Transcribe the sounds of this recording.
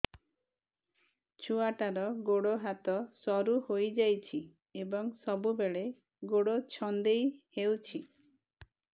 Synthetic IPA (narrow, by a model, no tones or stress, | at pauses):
t͡ʃʰuaʈaɾɔɡoɽoɦat̪ɔsɔɾuhojd͡ʒajt͡ʃʰi | ebɔŋsɔbubeɭe | ɡoɽot͡ʃʰɔnd̪ejhewt͡ʃʰi